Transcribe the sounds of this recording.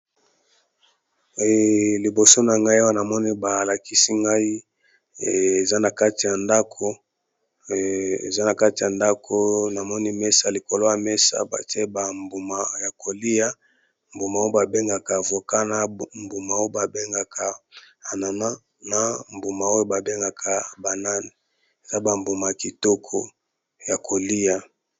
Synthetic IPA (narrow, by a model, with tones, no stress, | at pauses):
li˨bo˨so˦na˨ŋɡa˦i˦a˦wa˦na˨mɔ˦ni˦ba˨la˨ki˦si˦ŋɡa˦i˦˨ | e˨za˦na˨ka˦ti˨ja˨nda˦kʰo˦ | ḛ˨za˦na˨ka˦ti˨ja˨nda˦kʰo˦na˨mɔ˦ni˦me˦sa˦li˨ko˨lo˦ja˨me˦sa̰˦ba̰˨ti˦e˦ba˨mbu˨ma˨ja˨ko˨li˦ja˦ | mbu˨ma˨˦ba˨be˦ŋɡa˨ka˨vo˨ka˦na˦mbu˨ma˨o˦o˦ba˨be˦ŋɡa˨kʰa˨ | a˨na˨na˦ | na˦mbu˨ma˨o˦jo˦ba˨be˦ŋɡa˨kʰa˨ba˨na˦ni˨ | e˨za˦ba˨mbu˨ma˨ja˨ki˨to˦kʰo˦ | ja˨kʰo˨li˦ja˨